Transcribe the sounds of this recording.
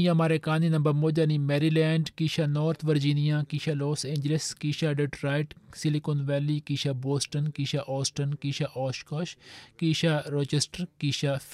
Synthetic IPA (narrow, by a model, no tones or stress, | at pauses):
jɐmaːɾekãːninɐmbɐmoːd͡ʒanimɛɾilɛːɳɖkiːʃanɔːɾt̪ʰʋɐɾd͡ʒiːnijaːkiːʃaloːsẽːɲd͡ʒleskiːʃaɖeʈɾaːɪʈsilikonʋɛːlːikiːʃaboːsʈɐnkiːʃaʔɔːsʈɐnkiʃaʔɔːʃkoːʃkiːʃaɾoːt͡ʃesʈəɾkiːʃa